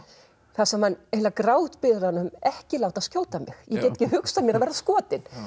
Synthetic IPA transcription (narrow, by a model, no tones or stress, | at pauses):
θasamanejlakɾaːwt̪pɪðɾanʏmɛhcɪlaːwt̪ascjowlt̪amɪ̰xjɛcɛːt̪ɛ̥cːɪhʏksamjɛɾaðvɛːɾaskɔːt̪ɪn